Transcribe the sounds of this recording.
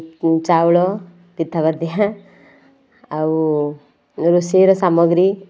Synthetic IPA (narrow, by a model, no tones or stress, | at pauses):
t͡ʃaːwɭo | t̪it̪ʰːɐʋɐɾd̪iɐ | ɐwu | ɾuseːɾosamoɡɾi